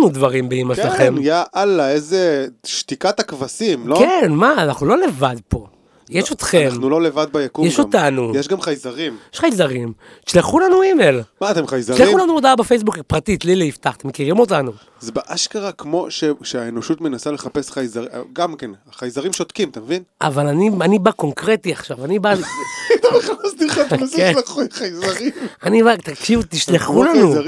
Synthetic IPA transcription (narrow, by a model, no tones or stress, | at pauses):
nud̪vaʁimbeimaʃlaχemijaʔalaezeʃt̪ikat̪akvasimlokenmaːnaχnulo̞le̞vad̪po̞ | jeʃo̞t̪χe̞manulolevad̪̚bajakujeʃomtanujeʃɡamχajzaʁimjeʃχajzaʁim | ʃleχulanuimelmaːt̪emχajzaʃʃlexulanuod̪aabefejs̬bukpʁat̪it̪lileift̪aχat̪emekiʁimo̞tanu | zebeʔaʃkaʁakmo̞ʃeʃeaeno̞ʃut̪menasale̞χape̞sχajzaʁ̰ɡamkenaχajzaʁimʃot̪kimt̪amvina̰valanianibako̞ŋkʁetiaχʃavanibad̪oeχaast̪iχasleχχajzaʁimanibat̪akʃivt̪iʃleχulanu